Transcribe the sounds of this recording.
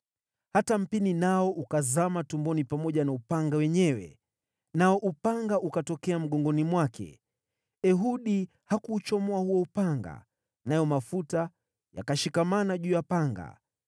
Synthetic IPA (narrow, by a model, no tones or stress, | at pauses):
hatam̩pininaɔʔukazamatumbɔnipamɔʄanaupaŋɡawɛɲɛwɛ̰ | naɔʔupaŋɡaʔukatɔkɛam̩ɠɔŋɡɔnimwakʰɛ̰ | ɛɦuɗi | hakuːt͡ʃɔmɔahuwɔupaŋɡa̰ | najɔmafuta | ja̰kaʃikamanaʄuːjapaŋɡa̰